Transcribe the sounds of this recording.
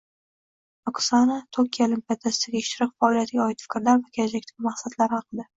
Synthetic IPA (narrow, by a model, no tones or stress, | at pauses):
ɒksanat̪ʰokʲʰijalɪmpejat̪ʰasɪd̪aɡʲaɪʃt̪ɪɾɪqfaːlˠijat̪ʰɪɡʲaɒɪt̪fɪ̥kʲɾlaɾvakʲʰelad͡ʒakʲt̪ʰaɡʲmaχsat̪laɾhɑqʰɨd̪ɪ